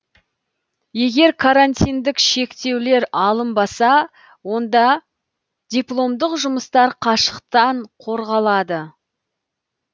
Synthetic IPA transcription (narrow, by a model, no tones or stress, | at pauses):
je̞ɡʲe̞ɾkʰaɾanʲt̪ʲijnd̪ɪkʃe̞kt̪e̞wle̞ɾɑlˠəmbɑsɑ | wo̞nd̪ɑ | d̪̥ʲiplˠo̞md̪əqʒʊməst̪ɑɾqʰɑʃə̥qt̪ɑɴqʰo̞ɾʁɑlˠɑd̪ə